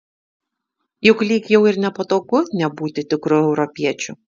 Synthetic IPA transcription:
jʊklʲiːkjɛʊɪɾnʲɛpoːt̪oːɡʊnʲɛbuːt̪ʲɪt̪ʲɪkɾʊɛʊɾɔpʲiɛt͡ʃʲʊ

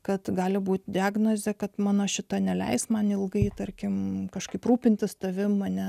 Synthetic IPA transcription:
kɐt̪ɡɑːlʲɪbuːt̪ʲdʲɪɑːɡnozʲɛkɐt̪mɑːnɐʃʲɪt̪ɐnʲɛlʲɛ̰ɪsmɐnɪlˠɡɐɪt̪ɐrʲkʲɪmkɐʃkɐɪpruːpʲɪnʲt̪ʲɪst̪ɐʋʲɪmɐnʲɛ

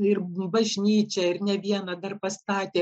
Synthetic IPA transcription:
ɪrbɐʒʲnʲiːt͡ʃʲɛɪɾnʲɛʋʲiɛnɐd̪ɐrpɐst̪ɑːt̪ʲeː

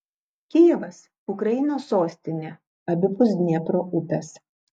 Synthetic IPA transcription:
kʲɪjɛʋɐs | ʊkɾɐɪnoːsːoːsʲt̪ʲɪnʲeː | ɐbʲɪpʊsʲnʲɛpɾoːʔʊt̪ʲɐs

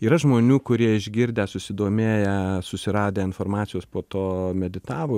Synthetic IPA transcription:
iːɾɐʒmoːnʲuːkʊɾʲiɛɪʒʲɡʲɪɾʲd̪ʲɛsʊsʲɪd̪oːmʲeːjɛsʊsʲɪɾɑːd̪ʲeːɪnfoːrmɑːt̪t͡ssʲɪjoːspoːt̪oːmʲɛd̪ʲɪt̪ɑːʋo

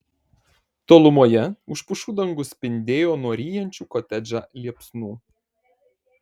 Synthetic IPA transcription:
t̪oːlˠʊmuɔjɛʊʃpʊʃuːd̪ɐŋɡʊsʲpʲɪnʲd̪ʲeːjoːnuɔɾʲiːjɛnʲt͡ʃʲuːkɔt̪ʲɛd͡ʒʲaːlʲiɛpsnuː

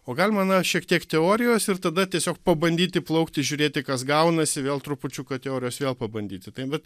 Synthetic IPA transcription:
oːɡɐlʲmɐnɐʃʲiɛkt̪ʲiɛkt̪ʲɛoːɾʲɪjoːsɪrt̪ɐd̪ɐt̪ʲiɛsʲoːkpɐbɐnʲd̪ʲiːt̪ʲɪplˠɐʊkt̪ʲɪʒʲʊɾʲeːt̪ʲɪkɐsɡɐʊnɐsʲɪʋʲeːlˠt̪ɾʊpʊt͡ʃʲukɐt̪ʲɛoːɾʲɪjoːsʋʲeːlˠpɐbɐnʲd̪ʲiːt̪ʲɪt̪ɐɪbʲɛt̪

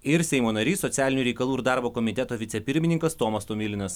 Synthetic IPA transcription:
ɪɾsʲɛɪmoːnɐɾʲiːsɔt̪sʲæːlʲɪnʲuːɾʲɛɪkɐlˠuːɾd̪ɑˑɾboːkɔmʲɪt̪ʲɛt̪oːʋʲɪt̪sʲɛpʲɪɾʲmʲɪnʲɪŋkɐst̪oːmɐst̪omʲɪlʲɪnɐs

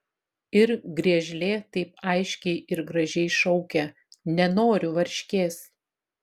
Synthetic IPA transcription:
ɪɾɡɾʲiɛʒʲlʲeːt̪ɐɪpɐɪʃʲkʲɛɪʔɪɾɡɾɐʒʲɛɪʃɒʊkʲɛ | nʲɛnoːɾʲʊʋɐɾʲʃʲkʲeːs

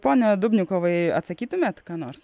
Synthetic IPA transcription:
poːnʲɛd̪ʊbʲnʲʊkoːʋɐɪɐ̰t̪sɐkʲiːt̪ʊmʲɛːt̪kɑːnoːɾs

